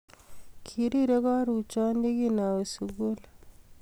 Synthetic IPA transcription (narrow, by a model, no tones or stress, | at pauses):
kʰiɾiɾɐɡɑːɾuːt͡ʃaːnd̪iɡinaːwsuɡul